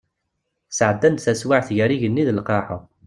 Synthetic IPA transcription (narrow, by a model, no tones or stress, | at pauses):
səʕəd̪ːænd̪θæswaʕθʝəɾiʝənːiðəlqɑħə̰